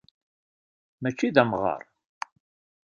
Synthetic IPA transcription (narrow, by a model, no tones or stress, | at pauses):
mæt͡ʃːiðæmʁɑ̰ɾˤ